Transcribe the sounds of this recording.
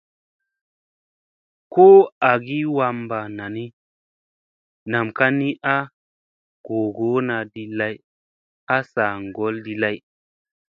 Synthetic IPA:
ko˦a˨ɡi˦wa˧mba˨na˨ni˦ | na˨mka˦ni˦ʔa˦ | ɡ̥o˨ɡo˨˦na˨di˨la˦j | a˦sa˨ŋɡo˨˦ldi˨la˦j

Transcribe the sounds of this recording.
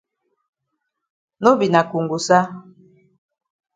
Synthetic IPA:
no˦bi˨na˨ku˨ŋɡu˨sa˦

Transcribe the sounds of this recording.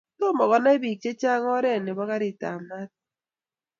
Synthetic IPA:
to˦mɔ˨ɣɔ˨ne˦bi˨t͡ʃe˦t͡ʃa˦ŋ˦ɔ˦ɾɛ˦˨ne˨bɔ˦ka˦ɾi˨ta̰˨ma˦t̚

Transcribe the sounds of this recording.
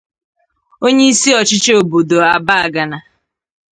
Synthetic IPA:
o˦ɲe˦i˦si˦ɔ˨t͡ʃɪ˦t͡ʃe˦o˨bo˨do˨a˨ba˦a˨ɡa˨na˨

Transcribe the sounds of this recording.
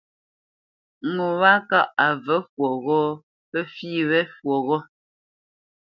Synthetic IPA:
ŋo˨wa˦ka˦˨ʔa˨və˦fwɔ˨ɣɔ˦ | pə˦fiː˦βɛ˦fwo˨ɣɔ˦

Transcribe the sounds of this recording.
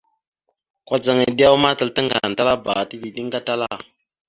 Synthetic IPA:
kwa˦d͡za˨ŋe˨di˦a˦wma˦tə˨ltə˦ŋɡa̰˨n˨ta˦la˦ba˨ti˦di˨di˦ŋ˦ɡa˦ta˦la˦˨

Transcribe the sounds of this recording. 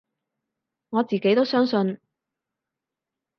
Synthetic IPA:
ŋɔː˨˧t͡siː˨ke˨˥jt̪o˥wsœː˥ŋsɵ˧n

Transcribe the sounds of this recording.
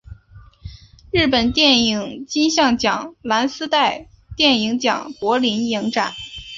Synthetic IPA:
ɻɻ̩˥˩pə˨˩nt̪jɛ˥˩ni˨˩ŋt͡ɕi˥nɕjɑ˥˩ŋt͡ɕjɑ˨˩˦ŋla˧˥nsɹ̩˥t̪a˥˧ɪ | t̪jɛ˥˩ni˧˥ŋt͡ɕjɑ̰˨˩ŋkwɔ˧˥li˧˥nji˧˥ŋʈ͡ʂa˨˩˦n

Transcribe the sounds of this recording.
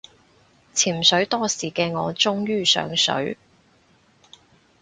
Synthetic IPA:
t͡sʰiː˨˩msɵ˨˥ɥt̪ɔː˥siː˨˩kɛː˧ŋɔː˨˧t͡sʊ˥ŋjyː˥sœ̰ː˨˧˥ŋsɵ̰˨˥ɥ

